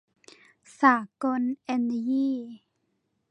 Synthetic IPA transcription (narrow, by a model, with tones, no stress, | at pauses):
sa˨kɔ˧nʔɛ˧nji˦